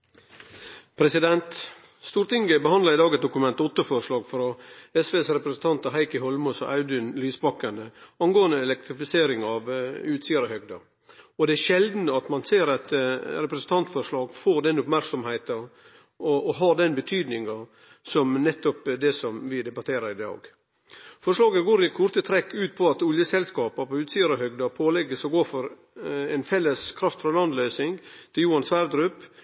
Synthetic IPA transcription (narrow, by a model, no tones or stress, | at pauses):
pʰɾɛsɪd̪ɛnt̪ | st̪uːɾt̪ɪŋɡəbəhɑnd̪lɑɾɪd̪ɑːɡəsd̪ʊkʉmɛnt̪ɔt̪ːəfɔɾʂɭɑːɡfɾɑɛsʋeːsɾɛpɾəsn̩t̪ʰɑnt̪ɑɦæɪkəɦɔlmɔsɔ̰ʔɑʉd̪ʏnlyːsbɑkːɑnd̪əɑnɡoːənd̪əɛlɛk̚t̪ɾɪfɪseːɾɪŋɑʋʉːt̪siːɑɾɔhœɡd̪ɑ | ɔd̪ɛæɾʃɛld̪n̩ɑt̪mɑnseːɾɑt̪ɾɛpɾəsn̩t̪ʰɑnt̪fɔɾʂɭɑːɡfoːɾd̪ɛnːʊpmæɾksɔmhæɪt̪ɑ | ɔɔɦɑɖ̪ɛnbət̪ʰyːd̪nɪŋɑ | sɔmnɛt̪ːɔpd̪ɛsɔmʋɪd̪ɛbɑt̪ʰeːɾəɾɪd̪ɑ̰ːɡ | fɔʂlɑːɡəɡoːɾɪkʰʊɾt̪ət̪ʰɾɛkːʉːt̪̚pʰɔɑt̪ʊljəsɛlskɑːpɑpɔʉːt̪siːəɾɑhœɡd̪ɑpʰoːlɛɡəsɔɡoːfɔɾ | ɛnfɛlːəskʰɾɑft̪fɾɑlɑnd̪lœːsɪŋt̪ʰɪljuːɑnsʋæɾd̪ɾʉp